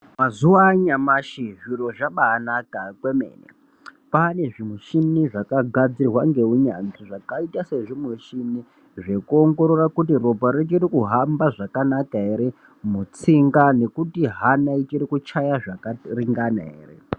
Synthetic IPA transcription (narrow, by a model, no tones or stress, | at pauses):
mazuwaɲamaʃiʐiro̞ʐaɓaːnakakwe̞mḛːnḛ | pane̞ʐimuʃimiʐakaɡʱad͡zirwaŋɡe̞uɲanziʐakaitase̞ʐomuʃimi | ʐe̞kuo̞ŋɡo̞ɾorakutiro̞paɾet͡ʃiɾikuɦambaʐakanakaɦeɾe | mut͡siŋɡane̞kutiɦanait͡ʃirikut͡ʃajaʐakariŋɡana̰ɦḛːrḛ